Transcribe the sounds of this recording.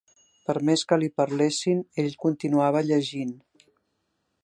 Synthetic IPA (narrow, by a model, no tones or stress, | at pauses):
pəɾmeskəlipəɾlesineʎkunt̪inuaβ̞əʎəʒin